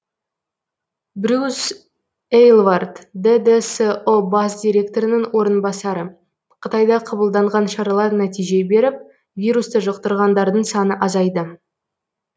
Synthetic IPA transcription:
bɾʲus | ejlˠvard̪d̪ed̪eseobasd̪ʲijɾʲe̞k̚t̪o̞ɾɪnɪŋwo̞ɾənbɑsɑɾə | qʰət̪ɑjd̪ɑqʰɑbəlˠd̪ɑɴʁɑnʃɑɾɑlˠɑɾnæt̪ijʒe̞be̞ɾɪp̚ | vʲijɾust̪əʒəq̚t̪əɾʁɑnd̪ɑɾd̪əɴsɑnəʔɑzɑjd̪ə

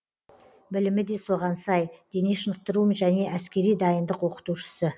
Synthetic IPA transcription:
bɪlɪmɪd̪e̞so̞ʁɑnsɑjd̪̥e̞neʃənəq̚t̪əɾuʒæne̞ʔæskʲe̞ɾijd̪ɑjənd̪əqwo̞qə̥t̪uʃə̥sə

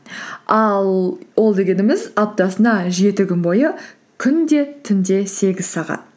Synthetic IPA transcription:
ɑlˠwʔo̞lˠd̪e̞ɡʲe̞nɪmɪzɑp̚t̪ɑsənɑʒe̞t̪ɪkʲʏnbo̞jə | kʲʰʏnd̪e̞t̪ʰʏnd̪e̞se̞ɡʲɪzsɑʁɑ̰t̪̚

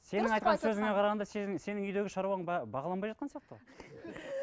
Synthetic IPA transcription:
se̞nɪŋɑjt̪qɑnsɵzɪŋeqʰɑɾɑʁɑnd̪ɑsese̞nɪŋʏjd̪e̞ɡʲɪʃɑɾuɑɴbɑʁɑlˠɑmbɑjʒɑt̪qɑnsijɑq̚t̪əo

